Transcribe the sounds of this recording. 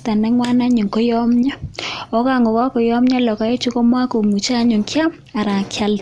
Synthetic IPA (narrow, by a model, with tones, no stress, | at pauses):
ta˨nɛ˦ŋwa˦na˦ɲi˨ŋkɔ˦jɔ˦mɲa˦ɔ˦ka˦˨ŋɡɔ˨kwa˦kɔ˨jɔ˦mɲa˦lɔ˨ka˦e˦t͡ʃu˦kɔ˦mwa˦ko˨mu˨t͡ʃa˦ɲo˨ŋkja˦m | a˨ɾa˨kja˦l